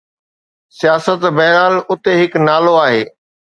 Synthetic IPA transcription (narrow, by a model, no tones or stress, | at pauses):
sijaːsət̪bɐɦɾaːlʊt̪eɦɪknaːloaːɦeː